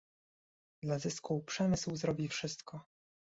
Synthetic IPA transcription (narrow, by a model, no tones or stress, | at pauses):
d̪lazɘskupʂɛmɘswzɾɔbʲifʂɘst̪kɔ